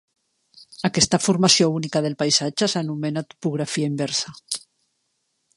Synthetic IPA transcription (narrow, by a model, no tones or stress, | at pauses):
akest̪afuɾmasjounikaðelpajsad͡ʒesanumenat̪u̥puɣ̞ɾafiaimbɛɾsa